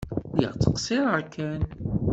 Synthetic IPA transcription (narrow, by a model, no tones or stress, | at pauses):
jə̰ʁt͡sːə̥qsiɾˤəɾkʰæn